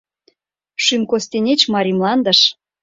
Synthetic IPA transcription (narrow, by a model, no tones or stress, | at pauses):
ʃymkost̪enʲet͡ɕmɑɾʲimlɑnd̪ə̆ʃ